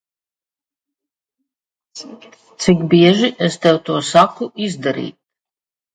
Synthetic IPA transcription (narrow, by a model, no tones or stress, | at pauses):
t̪sikbiɛʒiʔest̪ɛwt̪uɔsakuʔizd̪aɾḭːt̪̚